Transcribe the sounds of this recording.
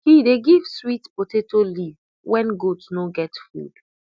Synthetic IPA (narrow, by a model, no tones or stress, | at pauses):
hideɡiv̥switpotetoliv | wɛ̃nɡodsnoɡɛtfṵd̥